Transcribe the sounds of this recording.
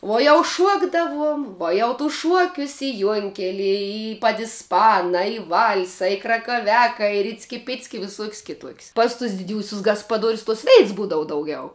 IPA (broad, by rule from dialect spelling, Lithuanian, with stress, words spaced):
ˈuɔ jɛʊ ˈʃuɔɡdɐʋuɔm ˈʋuɔ jɛʊ tʊs ˈʃuɔkʲʊs ɪ ˈjuɔŋʲkʲɛlʲiɛ ɪ pɐdʲɪsˈpɑːnɐ ɪ ˈʋɐlʲsɐ ɪ krɐkɐˈʋʲæːkɐ ɪ ˈrʲɪt͡sʲkʲɪ ˈpʲɪt͡sʲkʲɪ ɪ ʋʲɪˈsuɔkʲsʲ kʲɪˈtuɔkʲsʲ pɐs tʊs dʲɪˈdʲuːsʲʊs ɡɐspɐˈduɔrʲʊs ˈtuɔs ˈʋʲɛɪts ˈbuːdɐʋʊ dɐʊˈɡʲɛʊ